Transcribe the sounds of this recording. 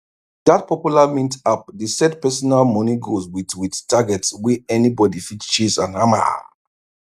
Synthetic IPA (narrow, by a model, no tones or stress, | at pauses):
dat̚pɔpjulamĩntap̚dəsɛd̚pɛsɔnalmɔniɡozwidwidtaɡɛtswiɛnibɔdifitt͡ʃizãnhama̰